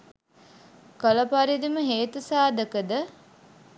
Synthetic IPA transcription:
koləpaɾid̪iməɦeːt̪usaːd̪əkəd̪ə

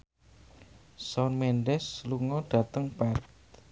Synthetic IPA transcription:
sɔnmɛndɛsluŋɔɖ̥ä̤t̪əŋpart̪

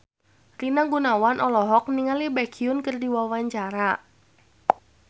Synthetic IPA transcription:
rinaɡunawanʔɔlɔɦɔk̚niŋalibɛkʰiʊnkɨrdiwawaɲt͡ʃaɾa

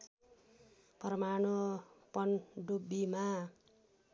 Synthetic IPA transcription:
pʌrmanopʌnɖubːima

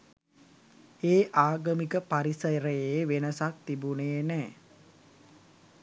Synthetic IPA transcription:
eːʔaːɡəmikəpaɾisəjɾəjeʋenəsak̚t̪ibunejənɛː

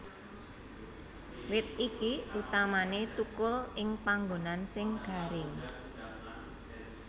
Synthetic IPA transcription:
wɪt̪̚ikiut̪amanet̪ukʊlɪŋpaŋɡonansɪŋɡ̥a̤ɾɪŋ

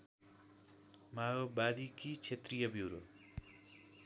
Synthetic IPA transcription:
majobad̪ikit͡sʰet̪rijʌbiwɾo̰

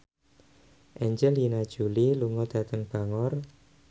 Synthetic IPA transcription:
ʔɛɲd͡ʒɛlinad̥ʒ̥ṳliluŋɔd̪̥ä̤t̪əŋb̥a̤ŋɔr

